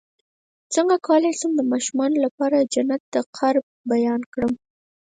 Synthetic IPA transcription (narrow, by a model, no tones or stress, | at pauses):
t͡səŋɡakɑlasəmd̪əmɑʃumɑnolapɑɾad͡ʒanat̪̚d̪əqʰaɾb̚bajɑnkɽəm